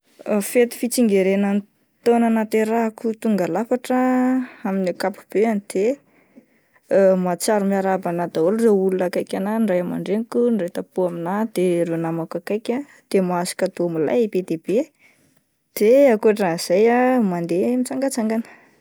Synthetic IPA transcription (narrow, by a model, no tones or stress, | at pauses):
fet̪i̥fit͡siŋɡeɾenən | t̪onanat̪eɾakut̪uŋɡalafaʈ͡ʂəaminikapu̥b̥eanid̪̥e | mat͡saɾumiaɾabanad̪aolureulunakajkʲananɖ͡ʐajama̰ɳɖ͡ʐenikunrejt̪apuaminad̪̥eɾenamakakajkʲa | d̪̥emasi̥kad̪omila̰jibed̪eb̥e | d̪̥eakuaʈ͡ʂaiz̥ajamand̪emit͡saŋɡat͡saŋɡanə̥